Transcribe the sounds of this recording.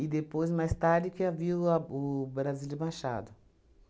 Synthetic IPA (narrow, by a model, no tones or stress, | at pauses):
ɪd̪epojzmajst̪aɾd͡ʒɪkɪaviaʊbɾazilɪbaʃa̰d̪ʊ